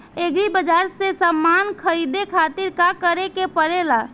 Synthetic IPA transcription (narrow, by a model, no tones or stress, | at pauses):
eɡɾibəd͡ʒaɾsẽsəmːankʰəɾid̪ekʰat̪iɾkakəɾekepəɾela